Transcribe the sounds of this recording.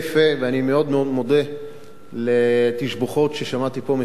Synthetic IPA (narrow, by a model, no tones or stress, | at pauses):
feveanimeo̞d̪meod̪mod̪e | let̪iʃboχo̞tʃeʃamat̪ipo̞me